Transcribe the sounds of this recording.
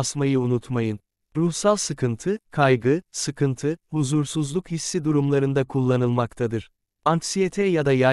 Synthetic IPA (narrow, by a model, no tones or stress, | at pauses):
smajɯunut̪majɯn | ɾuhsalˠsɯkʰɯnt̪ʰɯkʰajɡɯsɯkʰɯnt̪ʰɯhuzuɾsuzlˠukhisːid̪uɾumlˠaɾɯnd̪akʰulˠːanɯlˠmakt̪ʰad̪ɯɾ̥ | anksijet̪ʰɛjad̪aja